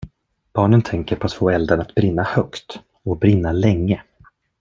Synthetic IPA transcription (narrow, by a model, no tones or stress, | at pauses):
b̥ɑːɳənt̪ʰɛŋkəɾpʰɔat̪foːɛld̪əɳat̪bɾɪnːahœkt̪ | ɔbɾɪnːalɛŋːə